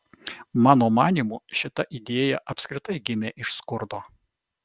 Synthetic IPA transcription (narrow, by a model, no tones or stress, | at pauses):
mɑːnoːmɑːnʲiːmuʃʲɪt̪ɐʔid̪ʲeːjɛʔɐpʲsʲkɾʲɪt̪ɐɪɡʲɪmʲeːʔɪʃskʊɾd̪oː